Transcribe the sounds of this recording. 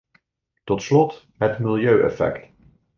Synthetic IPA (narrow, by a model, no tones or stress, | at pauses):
tɔtslɔt | ɦətmɪlˠjøɥʔɛ̰fɛ̰kt